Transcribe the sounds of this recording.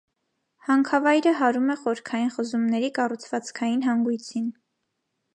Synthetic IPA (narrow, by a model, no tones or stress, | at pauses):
hɑŋkʰɑvɑjɾəɦɑɾumɛχɔəɾkʰɑjinχəzumnɛɾikɑrut͡sʰvɑt͡skʰɑjinɦɑŋɡujt͡sʰin